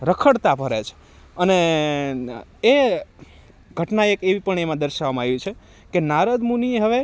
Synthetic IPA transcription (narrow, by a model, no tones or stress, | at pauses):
ɾəkʰəɽt̪apəɾet͡ʃʰe̥ | əne | ɡʱəʈnaekeʋipəɳemãd̪əɾʃaʋamãaʋjũt͡ʃʰe | kenaɾəd̪munieɦəʋe